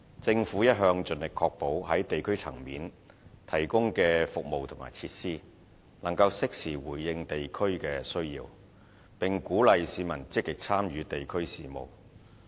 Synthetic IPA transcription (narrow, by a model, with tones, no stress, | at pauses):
t͡sɪ˧ŋfuː˨˥jɐ˥t̚ɦœː˧ŋt͡ʃɵ˨nlɪ˨kʰɔː˧k̚po˨˥whɐ˨˥jt̪e˨jkʰɵ˥ɥt͡sʰɐ̰˨˩ŋmiː˨˥n | t̪ʰɐ˨˩jkʊ˥ŋkɛː˧fʊ˨k̚mo˨wt̪ʰʊ˨˩ŋma̰ː˨˩jt͡sʰiː˧t̚siː˥ | nɐ˨˩ŋkɐ˧wsɪ˥k̚siː˨˩wuː˨˩jjɪ˧ŋt̪e˨jkʰɵ˥ɥkɛː˧sɵ˥ɥjḭː˧w | pɪ˨ŋkuː˨˥lɐ˨jsiː˨˧mɐ˨˩nt͡sɪ˥kːɪ˨k̚t͡sʰaː˥mjyː˨˧t̪e˨jkʰɵ˥ɥsiː˨mo̰˨˩w